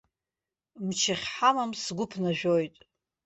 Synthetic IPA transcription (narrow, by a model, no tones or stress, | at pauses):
mt͡ʃʰaχʲħamamsɡʷʊpʰnaʒᶣojtʼ